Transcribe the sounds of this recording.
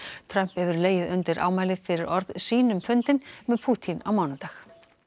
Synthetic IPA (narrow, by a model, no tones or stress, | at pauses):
t̪ʰɾœm̥phɛvʏɾleːjɪðʏnt̪ɪɾʔa̰ːwmaːjlɪfɪɾɪɾɔɾðsiːnʏmfʏnt̪ɪnmɛðpʰuːt̪ʰina̰wmaːwnat̪ax